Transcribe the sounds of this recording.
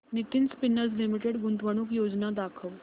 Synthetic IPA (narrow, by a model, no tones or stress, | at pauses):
nit̪inspinəɾd͡zlimiʈeɽɡunt̪ʋəɽ̃ukjod͡znad̪akʰəʋ